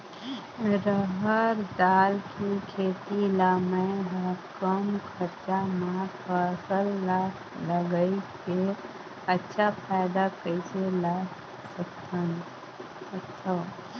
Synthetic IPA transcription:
ɾəɦəɾd̪aːlkikʰeːt̪ilaːməɪɦəɾkəmkʰəɾt͡ʃamapʰəsəlːa | ləɡəike | ətːʃʰapʰaːɪd̪akəɪsela | səkt̪ʰən | ət̪ʰːa

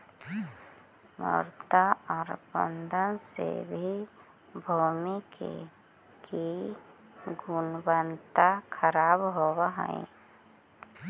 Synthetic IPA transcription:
mə̰ɾt̪aɔːɾbə̰nd̪ʱənsḛbʱi | bʱuːmikḛ | ki | ɡʊnbənt̪akʰəɾaːbɦowɦə̰̃ḭ̃

